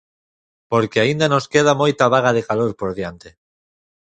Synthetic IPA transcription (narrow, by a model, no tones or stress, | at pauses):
poɾkeaind̪anoskeð̞amojt̪aβaɣ̞að̞ekaloɾpoɾðjant̪e